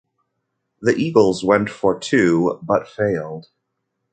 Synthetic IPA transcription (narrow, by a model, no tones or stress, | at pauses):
ðiʔiɡl̩ˠzwɛ̃ntfə˞tʰʉbʌtfeɪlˠd̥